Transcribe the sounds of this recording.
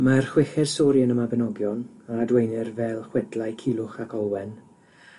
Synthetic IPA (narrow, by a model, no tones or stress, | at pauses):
marχwɪxɛd̥soɾjənəmabɛnɔɡjɔnadwejnɪrvɛlˠχwɛdlˠajkʰilˠʊχakʰɔwɛn